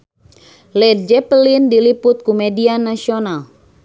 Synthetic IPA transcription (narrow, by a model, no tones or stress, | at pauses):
lɛd̪̚d͡ʒɛpəlindilipʊt̪̚kumɛdianasional